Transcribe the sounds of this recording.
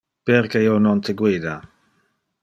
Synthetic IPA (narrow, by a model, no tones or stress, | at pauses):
peɾkeionont̪eɡwiːd̪a